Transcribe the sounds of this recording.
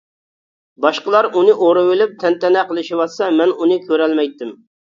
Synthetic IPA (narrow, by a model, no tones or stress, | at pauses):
bɑʃqəlˠɑɾunɨʔoɾɨwɪlɪp̚t̪ʰɛnt̪ʰɛnɛqəlˠɪʃiwɑsɑmɛnunɨkʲʰøɾɛlmɛjt̪ːɪm